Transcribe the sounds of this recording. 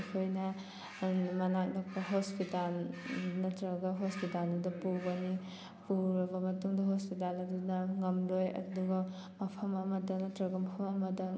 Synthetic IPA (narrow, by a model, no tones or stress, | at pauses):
kʰojnɐ | mɐnak̚nakpɐɦospitalnɐtɾɐɡɐɦospitalnɐdɐpuɡɐni | puɾɐbɐmɐtuŋdɐɦospit̬alɐdunɐŋɐmlojɐ̰duɡɐ | mɐpʰɐmɐmɐdɐnɐtɾɐɡɐmɐpʰɐmɐmɐdɐ